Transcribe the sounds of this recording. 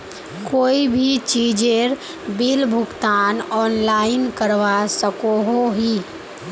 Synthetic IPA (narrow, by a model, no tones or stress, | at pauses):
koːibʱit͡ʃiːd͡ʒeɾ | bilbʱʊɡt̪aːnɔːnlaːɪnkəɾʋasəkoɦoɦi